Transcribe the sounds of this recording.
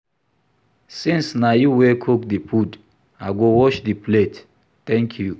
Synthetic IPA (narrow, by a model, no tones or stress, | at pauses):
sĩnsnajuwekʰokdipʰud | aɡowɔʃdiplet | t̪ɛ̃ŋkʰju